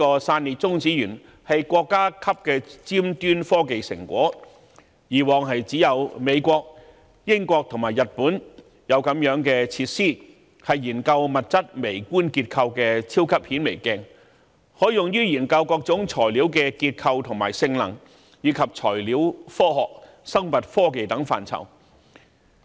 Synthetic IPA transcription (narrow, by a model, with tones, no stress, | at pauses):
i˥kɔː˧saː˧nliː˨t̚t͡sʊ˥ŋt͡siː˨˥jyː˨˩n | hɐ˨jkʷɔː˧kːaː˥kʰɐ˥p̚kɛː˧t͡siː˥mt̪yː˥nfɔː˥ke˨jsɪ̰˨˩ŋkʷɔ̰ː˨˥ | jiː˨˩wɔː˨ŋɦɐ˨jt͡siː˨˥jɐ˨˧wme˨˧jkʷɔː˧k̚ | jɪ˥ŋkʷɔː˧k̚t̪ʰʊ˨˩ŋmaː˨˩jɐ˨t̚puː˨˥n | jɐ˨˧wkɐ˨˥mjœː˨˥ŋkɛː˧t͡sʰiː˧t̚siː˥ | hɐ˨jːiː˨˩nkɐ˧wmɐ˨t̚t͡sɐ˥t̚me˨˩jkuː˥nki˧t̚kʰɐ˧wkɛː˧t͡sʰiː˥wkʰɐ˥p̚hiː˨˥nme˨˩jkɛ˧˩ŋ | hɔː˨˥jʊ˨ŋjyː˥jiː˨˩nkɐ˧wkɔː˧k̚t͡sʊ˨˥ŋt͡sʰɔː˨˩jliː˨˥wkɛ˧kiː˧t̚kʰɐ˧wt̪ʰʊ˨˩ŋmaː˨˩jsɪ˧ŋlɐ̰˨˩ŋ | jiː˨˧kʰɐ˨p̚t͡sʰɔː˨˩jliː˨˥wfɔː˥ɦɔː˨k̚ | sɐ˥ŋmɐ˨t̚fɔː˥ke˨jt̪ɐ˨˥ŋfa̰ː˨nt͡sʰɐ̰˨˩w